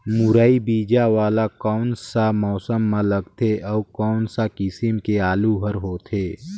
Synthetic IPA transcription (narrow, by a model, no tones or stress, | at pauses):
mʊɾaːibiːd͡ʒaʋaːlakɔːnsamɔːsəmːɐ̃ləɡt̪ʰeʔɔːkɔːnsakɪsimkeaːluɦəɾɦoːt̪ʰeː